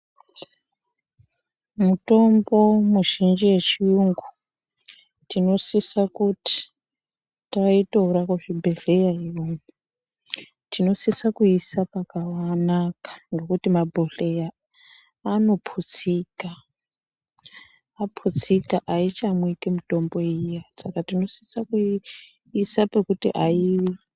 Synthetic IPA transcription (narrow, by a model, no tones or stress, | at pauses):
muto̞mbo̞muʒind͡ʒiwe̞t͡ʃiuŋɡu | tino̞sisakuti̥ | taitouɾakuʐibʱe̞ɮe̞jaiʋomu | tino̞sisakuisapakawanakḁŋɡe̞kutimabʱoɬejaː | no̞pʰut͡sika | pʰut͡sikaʔait͡ʃamwikimuto̞mbo̞ijasakatino̞si̥saku | isapekutiʔaii